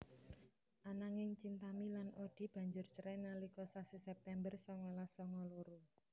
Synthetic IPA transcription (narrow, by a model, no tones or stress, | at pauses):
ʔanaŋɪŋt͡ʃint̪amilanʔoɖ̪̥i̤b̥ä̤ɲd͡ʒʊrt͡ʃəɾɛnalikɔsasisɛp̚t̪ɛmbərsɔŋɔlasɔŋɔloɾu